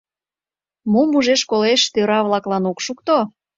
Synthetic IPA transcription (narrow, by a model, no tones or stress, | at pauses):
mumuʒeʃkoleʃt̪øɾɑβlɑklɑnokʃuk̚t̪o